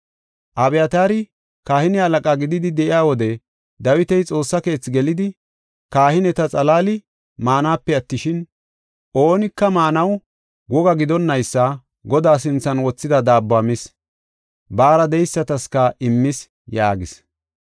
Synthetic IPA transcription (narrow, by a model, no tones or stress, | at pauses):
ʔɐbɛjɐt̪aːɾɪ | kaːhɪnɪɐlɐkʼaːɡɪd̪ɪd̪ɪd̪ɛʔɪjaːwɔd̪ɛ | d̪ɐwɪt̪ɛjt͡sʼo̞ːsːɐke̞ːt͡sːɪɡɛlɪd̪ɪ | kaːhɪnɛt̪ɐt͡sʼɐlaːlɪ | maːnaːpːɛɐt̪ːɪʃɪn | ʔoːnɪkːɐmaːnɐw | ɡɔɡɐɡɪd̪ɔnːɐjsːɐ | ɡɔd̪aːs̬ɪnt͡sːɐnwɔt͡sːɪd̪ɐd̪aːbːaːmɪs | baːɾɐd̪ɛjsːɐt̪ɐskɐɪmːɪs | jaːɡɪs